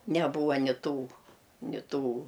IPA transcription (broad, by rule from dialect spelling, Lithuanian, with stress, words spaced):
nʲɛˈbuːʋɐ nʲɪ ˈtuː nʲɪ ˈtuː